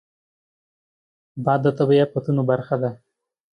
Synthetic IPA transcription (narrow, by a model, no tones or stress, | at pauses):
bɑd̪ːət̪abajapət̪unobaɾxad̪a